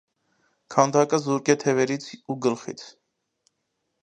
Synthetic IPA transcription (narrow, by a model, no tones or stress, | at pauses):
kʰɑnd̪ɑkəzuɾkɛt̪ʰɛvɛɾit͡sʰuɡəlχḭt͡sʰ